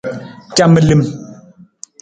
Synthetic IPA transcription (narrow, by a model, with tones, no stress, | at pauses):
ta˦˨mə˦˨li˦m